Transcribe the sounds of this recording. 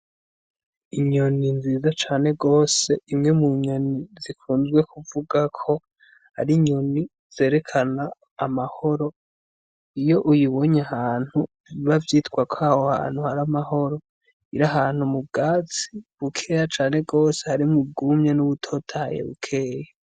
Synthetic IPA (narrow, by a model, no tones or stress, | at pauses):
iɲo̞ninziːzat͡ʃaːn̥e̞ɡo̞ːse̞imŋe̞muɲo̞nizikuːnzɡwe̞kuvuɡakʰo̞ | ha̰ɾiɲo̞ni | z̥e̞ːɾe̞kʰanaː | maho̞ɾo̞ | ijo̞ʔujiβo̞ɲahaːn̥hu | viβavjiːtkwakʰoahoha̰ːn̥huhaɾamaho̞ɾo̞ | iɾaɦaːn̥humub̚ɡaːt͡si̥βukʰe̞ːjat͡ʃaːne̞ɡo̞ːse̞haɾimub̚ɡuːmɲenuβutʰo̞ːtʰajḛβṵkʰe̞ːja